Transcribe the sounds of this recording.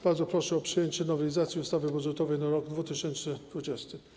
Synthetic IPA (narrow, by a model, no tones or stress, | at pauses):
b̥aɾd̪zɔpɾɔʂɛɔpʂɘjeɲt͡ɕɛnɔvɛlʲizat̪sʲjiust̪avɘbudʐɛt̪ɔvɛjnaɾɔɡd̪vut̪ɘɕɛnt͡ʂnɘd̪vud͡ʑɛst̪ɘ